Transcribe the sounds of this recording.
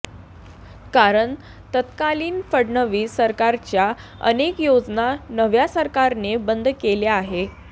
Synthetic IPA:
kaɾəɳ | t̪ət̪kaliːnfəɽnəʋiːsəɾkaɾt͡ɕja | ə̰nekjod͡znanəʋjasəɾkaɾnebənd̪ʱkeleaɦe

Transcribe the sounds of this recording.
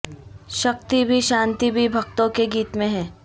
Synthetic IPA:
ʃɐk̚t̪ibʱiʃãːnt̪ibʱibʱɐkt̪õkeɡiːt̪mẽɦɛ̃ː

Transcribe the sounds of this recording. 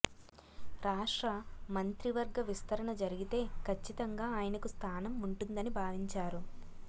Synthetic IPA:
ɾaːʂʈɾɐmɐnt̪ɾiʋɐɾɡɐʋist̪ɐɾɐɳɐd͡ʒɐɾiɡit̪e̞ːkʰɐt͡ʃːit̪ɐŋɡaːaːjɐnɐkust̪ʰaːnɐmuɳʈund̪ɐnibʱaːʋiɲt͡ʃaːɾu

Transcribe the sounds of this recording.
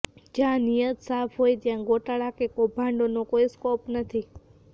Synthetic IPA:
d͡ʒjãnijət̪safʰɦojt̪jãɡoʈaɭakekobʱãɳɖonokojskɔpnət̪ʰi

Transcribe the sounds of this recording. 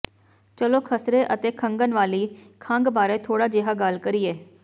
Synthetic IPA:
t͡ʃəloːkʰəsɾeʔət̪eːkʰəŋɡənʋaːliːkʰãŋɡbaːɾeːt̪ʰoːɽaːd͡ʒeːɦaːɡalkəɾieː

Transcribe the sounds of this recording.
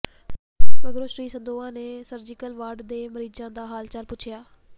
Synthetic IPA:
bəɡɾoːʃɾiːsənd̪oːãːneːsəɾd͡ʒɪkəlʋaːɖd̪eːməɾiːd͡ʒãːd̪aːɦaːlt͡ʃəlpʊt͡ʃʰɪjaː

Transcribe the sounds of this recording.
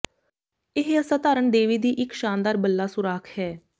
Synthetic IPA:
ɪɦəsaːt̪aːɾəɳɖ̪eːʋiːd̪iːʔɪkʃaːnd̪aːɾbəlːaːsʊɾaːkʰhɛː

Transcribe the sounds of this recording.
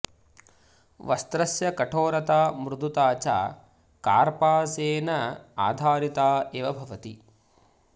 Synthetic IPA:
ʋɐst̪ɾɐsjɐkɐʈʰoːɾɐt̪aːmɾud̪ʱut̪aːt͡ʃa̰ː | kaːɾpaːseːnɐa̰ːd̪ʱaːɾit̪aːeːʋɐbʱɐʋɐt̪i

